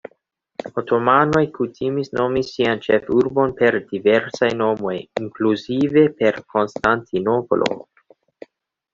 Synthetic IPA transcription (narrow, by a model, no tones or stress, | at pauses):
otʰomano̞jkutʰimisno̞misiant͡ʃe̞fuɾbo̞npe̞ɾdive̞ɾsajno̞mo̞jiŋkluzive̞pe̞ɾkʰo̞nstantʰinopolʔo̰